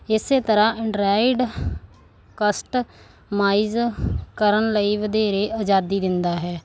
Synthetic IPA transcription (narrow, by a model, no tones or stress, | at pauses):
ɪseːt̪əɾãːɪɳɖɾaːɪɖ | kəsʈ | maːizkəɾənləiːʋəd̪eːɾeːʔəd͡ʒaːd̪iːd̪ɪnd̪aːɦɛː